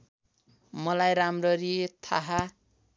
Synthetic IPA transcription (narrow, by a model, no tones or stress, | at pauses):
mʌlajɾamrʌɾit̪ʰaɦa